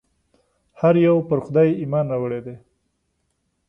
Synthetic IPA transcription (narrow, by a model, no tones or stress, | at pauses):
haɾjawpəɾxʊd̪ɑjimɑnɾɑwəɽed̪e